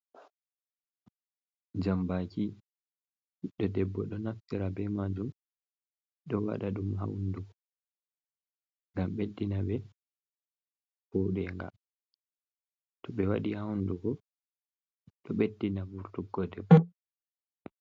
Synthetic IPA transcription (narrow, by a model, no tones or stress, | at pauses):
d͡ʒambaki | ɗɔdɛbːɔ̰ɗɔnaftiɾabɛmad͡ʒum | ɗɔwa̰ɗaɗumha̰wnduɡɔ | ŋɡamɓedːinaɓɛ | hɔwɗɛŋɡa̰ | tɔɓɛwaɗihawnduɡɔ | ɗɔɓedːinabuɾtuɡːɔdɛbːɔ